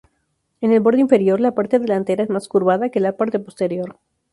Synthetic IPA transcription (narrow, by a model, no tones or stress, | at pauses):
e̞ne̞lbo̞ɾðo̞iɱfe̞ɾjo̞ɾlapaɾt̪eðe̞lant̪e̞ɾaezmaskuɾβaðakelapaɾt̪e̞po̞st̪e̞ɾjo̞ɾ